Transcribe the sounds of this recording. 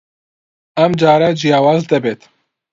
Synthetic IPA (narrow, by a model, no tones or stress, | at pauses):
ɐmd͡ʒɑːɾad͡ʒijaːwɑːzd̪ɛbeːt̪ʰ